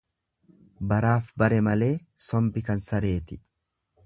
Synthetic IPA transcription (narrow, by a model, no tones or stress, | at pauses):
bɐɾaːfbɐɾɛmɐle̞ːsɔmbɪkɐnsɐɾe̞ːt̪ɪ̥